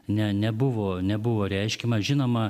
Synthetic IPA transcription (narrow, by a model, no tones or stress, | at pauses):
nʲɛnʲɛbʊʋoːnʲɛbʊʋoːɾʲɛɪʃʲkʲimɐʒʲɪnoːmɐ